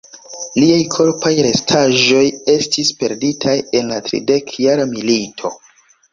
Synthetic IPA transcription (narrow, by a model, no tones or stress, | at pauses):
liajkʰo̞ɾpajɾe̞stʰaʒo̞je̞stʰispe̞ɾditʰaje̞nlatɾḭde̞kjaɾamilitʰo